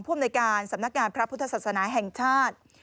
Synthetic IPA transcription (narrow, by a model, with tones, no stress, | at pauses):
ŋpʰu˥˩mnː˧jkaː˧nsa˨˩˦mna˦˥k̚ŋaː˧npʰɾa˦˥pʰu˦˥t̪ʰːa˧saː˨˩t̪̚snaː˩˦ɦɛ˨˩ŋt͡ɕʰaː˥˩t̪̚